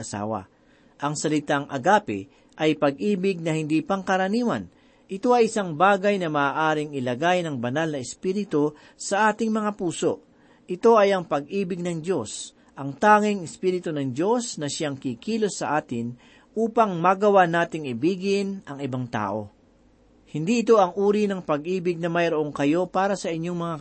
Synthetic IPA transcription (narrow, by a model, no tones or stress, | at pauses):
ɐsa̰ːwɐ̰ | ʔɐŋsɐlɪt̪aŋʔɐ̰ɡaːpɪ̰ | ʔɐjpɐɡ̚ʔiːbɪɡ̚nɐhɪnd̪ipɐŋkɐɾɐniːwɐn | ʔɪt̪o̞ɐjɪsaŋbaːɡɐjnɐmaːʔaːɾɪŋɪlɐɡajnɐŋbɐnalnɐɛspiːɾɪt̪o | sɐʔaːt̪ɪŋmɐŋapuːso̞̰ʔ | ʔɪt̪o̞ʔɐjɐŋpɐɡ̚ʔiːbɪɡ̚nɐŋd̪jo̞s | ʔɐŋt̪aːŋɪŋɪspiːɾɪt̪onɐŋd͡ʒo̞snɐʃaŋkikiːlosːɐʔaːt̪ɪn | ʔuːpɐŋmɐɡɐwanaːt̪ɪŋɪbiːɡɪnʔɐŋɪbaŋt̪a̰ːʔo̞̰ | hɪnd̪iʔɪt̪o̞ʔɐŋʔuːɾinɐŋpɐɡʔiːbɪɡ̚nɐmɐjɾoʔoŋkɐjo̞paːɾɐsɐʔɪɲːo̞ŋmɐŋa